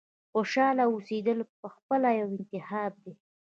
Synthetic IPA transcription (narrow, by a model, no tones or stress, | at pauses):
xoʃɑlaosed̪əlpəxpəlajawɪnt̪ɪhɑb̚d̪e